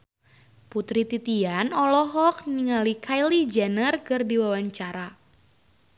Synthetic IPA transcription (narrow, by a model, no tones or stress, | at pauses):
put̪ɾit̪it̪ianɔlɔɦɔk̚niŋalikʰajlid͡ʒɛnərkərdiwawaɲt͡ʃaɾa